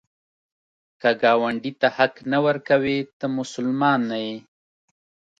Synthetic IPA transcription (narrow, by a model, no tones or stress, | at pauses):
kaɡɑwaɳɖit̪ahaknawəɾkawet̪əmʊsʊlmɑnːaje